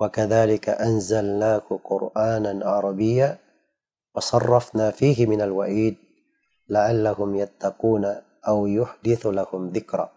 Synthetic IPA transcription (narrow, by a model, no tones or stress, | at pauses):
wakaðaːlɪka̰ʔanzalnaːkʊqʊɾʔaːnanʕɑɾˤɑbɪjːaː | wɑsˤɑrˤːɑfnaːfiːɦɪmɪnalwaʕiːd̪̚ | laʕalːahʊmjat̪ːɑquːna | ʔawjʊħd̪ɪθlahʊmðɪkɾˤɑ̰ː